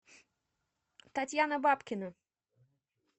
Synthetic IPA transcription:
t̪atʲjanəbapkʲɪnə

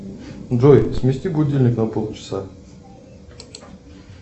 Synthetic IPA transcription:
ʐojsmʲɪsʲt̪ʲibudʲelʲnʲɪknɐpolˠt͡ɕɪ̥sa

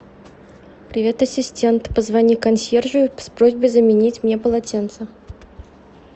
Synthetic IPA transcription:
pɾʲɪvʲe̞t̪ɐsʲɪsʲtʲe̞nt̪pəzvɐnʲikɐnsʲerʐɨjʊspɾozʲbəjzəmʲɪnʲitʲmnʲe̞pəlˠɐtʲent̪sə

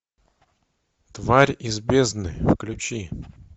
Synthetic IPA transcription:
t̪vaɾʲɪzbʲeznɨ̰jfklʲʊt͡ɕi

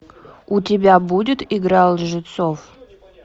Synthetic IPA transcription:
utʲɪbʲabudʲɪt̪iɡɾɑlˠʐɨt̪sof

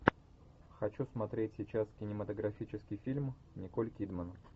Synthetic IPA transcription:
xɐt͡ɕusmɐt̪ɾʲetʲsʲɪt͡ɕaskʲɪnʲɪmət̪əɡɾɐfʲit͡ɕɪskʲɪjfʲilʲm | nʲɪkolʲkʲid̪mən

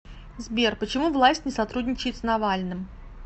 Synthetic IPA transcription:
zbʲerpət͡ɕɪmuvlˠasʲtʲnʲɪsɐt̪ɾudʲnʲɪt͡ɕɪjɪt̪snɐvalʲnɨm

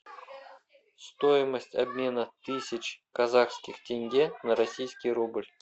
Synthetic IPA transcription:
st̪o̞jɪməsʲtʲa̰bʲmʲe̞nət̪ɨsʲɪt͡ɕkazaχskʲɪxtʲenʲɡʲenɐɾɐsʲijskʲɪjɾublʲ

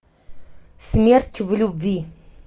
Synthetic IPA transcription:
smertʲʰːvɨlubvi

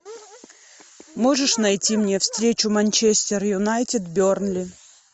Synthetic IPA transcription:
mo̞ʐɨʂnɐjtʲimnʲefst̪ɾʲet͡ɕʊmɐnʲt͡ɕesʲtʲɪrjʊnajtʲɪd̪bʲornlʲɪ

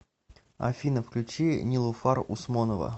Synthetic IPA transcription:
ɐ̰fʲinəfklʲʉt͡ɕinʲɪlˠʊfarʊsmonəvə̰

